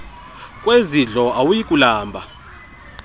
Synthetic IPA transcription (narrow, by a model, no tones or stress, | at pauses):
kʼweziɮɔawujikʼulaːmbʱa